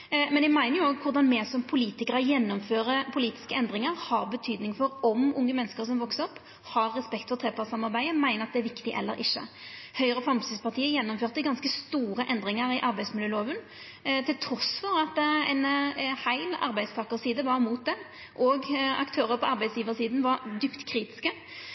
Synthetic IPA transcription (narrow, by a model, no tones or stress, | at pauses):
mɛnɛmæɪnəjʊoːɡkʰʊɾʁd̪ɑnmɛːsɔmpʰʊliːt̪ɪkəɾəjɛnːɔmføːɾəpʰʊliːt̪ɪ̥skəɛnd̪ʁɪŋəɾhɑɾbət̪ʰyːd̪nɪŋfɔɾɔmʊŋːəmɛnːəskəʁsɔmʋɔksəɔpː | hɑɾːɛspɛkt̪fɔʁt̪ʰʁeːpʰɑʁsɑmɑɾbæɪəmæɪnəʁɑt̪̚d̪ɛæɾʋɪkt̪ɪʔɛ̰lːə̰ɾɪ̰çːə̰hœʏəʁəfɾɑmsɪspʰɑʁt̪ʰiːəjɛnːɔmføːʁt̪əɡɑnskəst̪uːɾəʔɛnd̪ʁɪŋəɾɪʔɑɾbæɪd̪smɪljøːloːʋən | t̪ʰɪlt̪ʰɾɔsfɔɾɑt̪ɛ̰ɪnhæɪlɑ̰ɾbæɪd̪st̪ʰɑːkəʁsiːd̪əʋɑɾmuːt̪̚d̪ɛm | ʔɔɡɑ̰kt̪ʰøːɾəɾpʰɔʔɑɾbæɪsjiːʋəʁsiːd̪n̩ʋɑɾd̪yːpt̪kʰɾiːt̪ɪ̥skə